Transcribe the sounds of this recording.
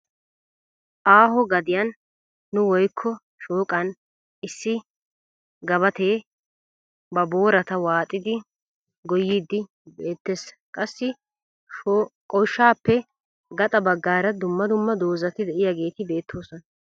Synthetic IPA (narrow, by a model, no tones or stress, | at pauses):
ʔaːɦɔɡɐd̪ɪjɐnː | ʊwɔjkʰːɔ | ʃoːkʼɐn | ɪsːɪ | ɡɐbɐt̪eː | bɐbo̞ːɾɐt̪ɐwaːt̪ʼːɪd̪ɪ | ɡɔjiːd̪ɪ | be̞ːt̪ːeːs | kʼɐsːɪ | kʼɔjʃːaːpːɛ | ɡɐt̪ʼɐbɐɡːaːɾɐd̪ʊmːɐd̪ʊmːɐd̪o̞ːzɐt̪ɪd̪ɛʔɪjaɡe̞ːt̪ɪbe̞ːt̪ʰːo̞ːsɔnɐ